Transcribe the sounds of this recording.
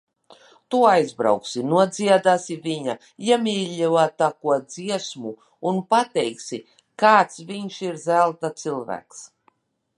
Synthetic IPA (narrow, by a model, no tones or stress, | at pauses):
t̪uajzbɾa̰wksinuɔd̪ziɛd̪aːsiviɲa | jamʲiːlʲːiwat̪ːakuɔd̪ziɛsmu | unpat̪ɛjksi | kaːt̪sviɲʃiɾzælˠt̪at̪silˠvæ̰ːks